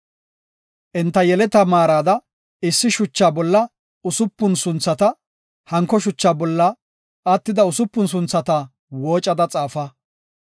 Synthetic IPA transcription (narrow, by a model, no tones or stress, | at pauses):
ʔɪnt̪ːɐjɛlɛt̪ɐmaːɾaːd̪ɐ | ɪsːɪʃʊt͡ʃːaːbɔlːɐ | ʊsʊpːʊnsʊnt͡sːɐt̪ɐ | hɐŋkːɔʃʊt͡ʃːaːbɔlːɐ | ɐt̪ːɪd̪ɐʊsʊpːʊns̬ʊnt͡sːɐt̪ɐ | woːt͡ʃʼːɐd̪ɐt͡sʼaːfɐ